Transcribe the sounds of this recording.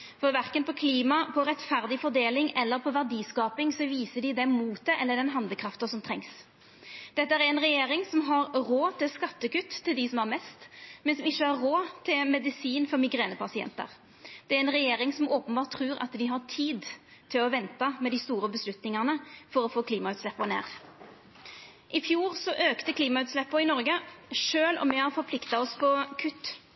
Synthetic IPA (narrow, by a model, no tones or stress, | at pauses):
fɔɾʋæɾkənpʰɔkʰliːmɑpʰɔɾɛt̪fæʁd̪ɪfɔɾd̪eːlɪŋɛlːəɾpʰɔʋæʁɖiːskɑːpɪŋsɔʋiːsəɖɪd̪ɛmuːt̪̚d̪ɛʔɛlːəɖ̪ɛnɦɑnd̪əkʰɾɑft̪əsɔmt̪ʰɾɛŋs | d̪̥ɛt̪ːəæɾæɾɛnɾɛjeːɾɪŋsɔmɦɑɾɾoːt̪ʰɪlskɑt̪ːəkʉt̪ʰːɪld̪ɪsɔmɑɾmɛst̪mɛnsɔmɪçːəæɾɾoːt̪ʰɪmɛd̪ɪsiːnfɔɾmɪɡɾeːnəpʰɑsɪɛ̰nt̪ə̰ɾ | d̪̥ɛæɾɛnʁɛjeːɾɪŋsɔmoːpənbɑːt̪ʰːɾʉːɾɑ̰t̪d̪ɪɦɑt̪ʰiːd̪t̪ʰɪlɔʋɛnt̪ɑmɛd̪ɪst̪uːɾəbəslʉt̪nɪŋɑnəfɔɾɔfoːkʰliːmɑʉːt̪slɛpːənḛːʁ | ʔɪfjuːʁsɔʔøːkt̪əkʰliːmɑʉːt̪slɛpːəɪnɔɾɡəʂøːlɔ̰mɛhɑɾfɔɾpʰlɪkt̪ɑɔspʰɔkʰʉt̪ː